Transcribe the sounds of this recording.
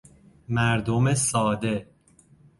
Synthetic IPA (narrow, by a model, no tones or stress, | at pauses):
mæɾd̪omesɒːd̪e̞